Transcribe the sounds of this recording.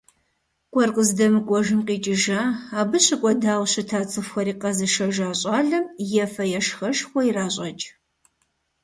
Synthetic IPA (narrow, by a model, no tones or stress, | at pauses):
kʷʼɔrqʼəzdɐmɨkʷʼɔʒɨmqiːt͡ʃʼɪʒaːaːbɨɕɪkʷʼɔdaːwɕɐtʰaːt͡sʼɨfxɐɾiːqɐzɨʃɐʒaːɕʼaːɮɐmjɛfɐjɛʂxɐʃxʷɔiraːɕʼɐt͡ʃʼ